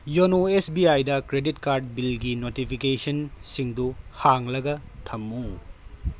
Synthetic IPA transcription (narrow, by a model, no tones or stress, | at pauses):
jonoesbiajdɐkɾeditkaɾd̚bilɡinotipʰikesɐnsiŋduhaŋlɐɡɐtʰɐmːu